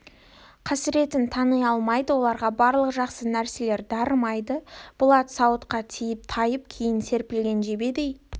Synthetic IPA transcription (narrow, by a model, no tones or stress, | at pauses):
qʰɑsəɾe̞t̪ɪnt̪ʰɑnəjɑlˠmɑjd̪əwo̞lˠɑɾʁɑbɑɾlˠəqʒɑqsənæɾse̞le̞ɾd̪ɑɾmɑjd̪əb̥ʊlˠɑt̪sɑwət̪qɑt̪ʰijɪp̚t̪ʰɑjəp̚kʲʰejɪnse̞ɾpɪlɡʲe̞nʒe̞be̞d̪ej